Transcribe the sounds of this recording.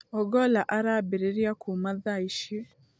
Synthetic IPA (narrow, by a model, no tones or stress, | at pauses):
ɔɡɔlaʔaɾabeɾeɾjakʰumaðaiʃe